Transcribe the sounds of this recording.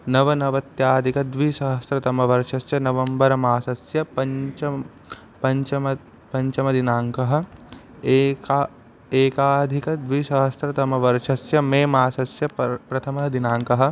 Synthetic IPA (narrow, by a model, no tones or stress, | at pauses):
nɐʋɐnɐʋɐt̪jaːd̪ʱikɐd̪ʋisɐɦɐsɾɐt̪ɐmɐʋɐɾʃʰɐsjɐnɐʋɐmbɐɾɐmaːsɐsjɐpɐt͡ʃɐ | pɐɲt͡ʃɐmɐ | pɐɲt͡ʃɐmɐd̪inaːŋkɐɦɐ̆ | kː | eːkaːd̪ʱikɐd̪ʋiʃɐɦɐst̪ɾɐt̪ɐmɐʋɐɾt͡ʃʰɐsjɐmeːmaːsɐsjɐpɾɐt̪ʰɐmɐɦɐd̪inaːŋkɐɦɐ̆